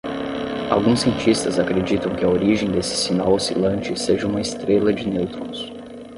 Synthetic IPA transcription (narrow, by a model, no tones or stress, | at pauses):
a̰wɡũsːiẽnt͡ʃist̪ɐzakɾed͡ʒit̪ɐ̃w̃kɪɐoɾiʒẽj̃d̪esɪ̥sinawosilɐ̃nt͡ʃɪseʒɐũmɐɪst̪ɾelɐd͡ʒɪnewt̪ɾõs